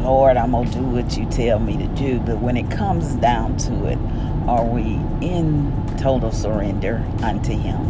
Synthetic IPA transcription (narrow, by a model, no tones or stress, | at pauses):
lɔɹɾãɪ̃məlˠdɨwʌt͡ʃɨtʰɛlˠmiɾɨdʉbʌt̚wə̃ñɨt̚kʰʌ̃mzdãʊ̃ntʰəɪ̰ɾ | ə˞wi | ɪ̃n | tʰoʊɾl̩ˠsə˞ɛ̃ndə˞ | ʔʌ̃ntʰɨɪ̰̃m